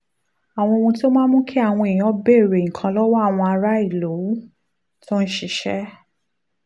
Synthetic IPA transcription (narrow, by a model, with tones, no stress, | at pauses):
a˨w̃ɔ̃˧wõ˧to˦mãː˦mũ˦kʰi˦a˦˨w̃ɔ̃˧e˨j̃ĩ˨ɔ˧˦be˦˨ɾe˨ŋ̩˨kʰã˧lɔ˦wɔ˦a˦˨w̃ɔ̃˧a˧ɾa˦i˦˨lo˨˦ | to˦n̩˦ʃi˦˧ʃɛ˦